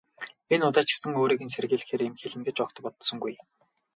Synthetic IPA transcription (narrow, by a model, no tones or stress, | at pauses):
enʊt̪aːt͡ɕɪ̥̆ksə̆ŋoːɾiːɣɘ̆nserɣeːɮ̆xeːɾemxeɮɘ̆ŋɡet͡ɕɔk̚t̪ɞ̆pɔt̪sɞ̆ŋɡuj